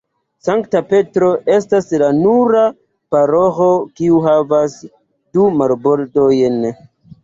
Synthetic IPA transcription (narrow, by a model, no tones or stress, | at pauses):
saŋktape̞tɾo̞ʔe̞staslanuɾa | paɾoxo̞kiuɦavas | dumaɾboɾdojn